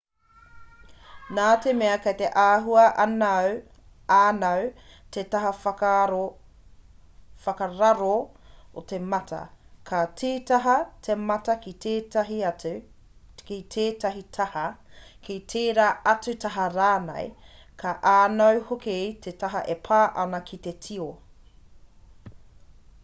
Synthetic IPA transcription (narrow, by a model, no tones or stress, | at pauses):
naːtemeɐkɐjteʔaːɦuɐʔɐnɐw | aːnɐwtetɐɦɐ | fɐkɐɾɐɾootemɐtʰɐ̰kʰɐtiːtɐɦɐtʰemɐtɐkiteːtɐɦiɐ | kitʰeːtɐɦitʰɐhɐkʰitʰeːɾaːɐt͡sʉtɐɦɐɾaːnɐ̰j | kʰaʔaːnɐwhoketʰetɐɦɐʔepʰaːʔɐnɐkʰit̪etʰio